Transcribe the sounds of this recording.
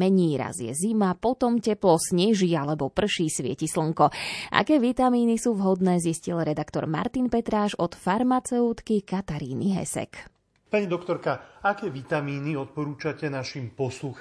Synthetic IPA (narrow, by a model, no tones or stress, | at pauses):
mɛɲiːɾa̰zjɛ̰zimapɔt̪ɔmcɛplɔsɲɛʒiːalɛbɔpr̩ʃiːsʋɪɛ̰cisl̩ŋkɔʔa̰kɛːʋit̪amiːnisuːvɦɔd̪nɛːziscilɾɛd̪akt̪ɔ̰ɾma̰ɾt̪inpɛt̪ɾaːʒɔt̪faɾmat͡sɛut̪kikat̪aɾiːniɦɛ̰sɛ̰k | paɲid̪ɔkt̪ɔɾkaakɛːʋit̪amiːniɔt̪̚pɔɾuːt͡ʃacɛnaʃimpɔslux